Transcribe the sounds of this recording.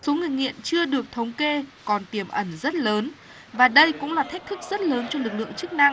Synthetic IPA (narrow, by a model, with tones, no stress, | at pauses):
so˨˦ŋɨ˨˩əjŋḭ˧˨ənt͡ɕɨ˧əɗɨ˨˩ək̚t̪ʰə˨˦wŋ͡mke˧kɔ˨˩nt̪i˨˩əmʔə˧˩nzə˦˥t̚ləː˨˦n | vaː˨˩ɗə˧jkʊ̰˧˥ŋ͡mlaː˨˩t̪ʰɛ˦˥k̚t̪ʰɨ˦˥k̚zə˦˥t̚ləː˨˦nt͡ɕɔ˧lɨ˨˩k̚lɨ̰˧˨əŋt͡ɕɨ˦˥k̚na˧ŋ